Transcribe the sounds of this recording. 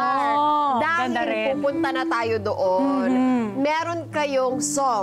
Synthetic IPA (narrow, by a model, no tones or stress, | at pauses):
d̪aːpuːpʊnt̪ɐnɐt̪aːjod̪oʔonmɛːɾonkɐjoŋso